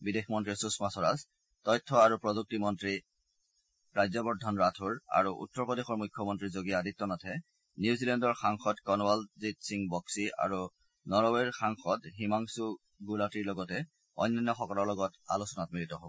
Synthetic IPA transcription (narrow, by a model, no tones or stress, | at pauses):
bidexmɔntɹisusmasɔɹas | tɔjtʰːɔaɹupɹɔzuk̚timɔntɹi | ɹajzɔbɔɹdʱɔnɹatʰuɹa̰ɹuʔṵtːɔɹpɔdexɔɹmujkʰjɔmɔntɹizoɡijaːditːɔnɔtʰɛ | niuzilɛndɔɹxaŋxɔdkɔnwalzitsiŋbɔksia̰ɹu | nɔɹɔweɹxaŋxɔdɦimaŋsu | ɡulatiɹlɔɡɔtɛ | ɔ̰jnːanːɔxɔkɔlɔɹlɔɡɔta̰lusɔnatmilitɔɦobɔ